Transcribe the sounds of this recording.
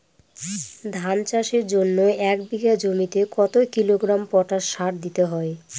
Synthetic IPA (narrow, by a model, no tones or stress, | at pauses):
d̪ʱant͡ɕaʃeɾd͡ʑonːoɛk̚biɡad͡ʑomit̪ekɔt̪okiloɡɾampɔʈaʃʃaɾd̪it̪eɦɔe